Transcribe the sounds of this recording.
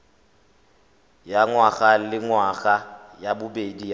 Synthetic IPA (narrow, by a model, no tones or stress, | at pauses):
jaŋwaɣalɪŋwaɣajabʊbedi